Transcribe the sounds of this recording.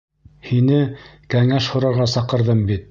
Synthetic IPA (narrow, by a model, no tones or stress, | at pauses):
hinɘkæŋæʃhŏɾɑɾʁɑsɑqɤ̆ɾðɤmbit̪̚